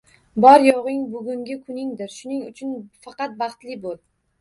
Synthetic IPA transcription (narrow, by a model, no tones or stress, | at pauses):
bɒɾjɒʁɪŋbʊɡʲʊŋɡʲɪkʰʊnɪŋd̪ɪɾʃʊnɪŋʊt͡ʃʰʊnfɑqɑt̪̚bɑχt̪lɪbolˠ